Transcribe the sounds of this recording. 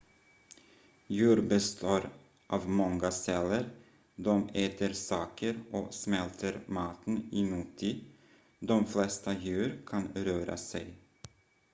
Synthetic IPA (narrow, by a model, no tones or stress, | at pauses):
jʉːɾbəst̪ʰoːɾ | ʔɑːvmɔŋɡasɛlːəɾ | d̪ɔmeːt̪ʰəɾsɑːkʰəɾʔɔsmɛlt̪ʰəɾmɑːt̪ənɪmuːt̪ʰːiː | d̪ɔmflɛst̪ajʉ̟ːɾkʰanɾøːɾa̰sɛj